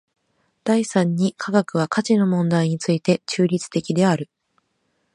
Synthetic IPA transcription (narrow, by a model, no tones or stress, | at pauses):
d̪̥aisãɲ̟ːikʰaɡakɯ̟β̞akat͡ɕino̞mõ̞nd̪aiɲ̟it͡sɨit̪e̞t͡ɕɨːɾʲit͡sɨ̥t̪e̞kʲid̪e̞aɾɯ̟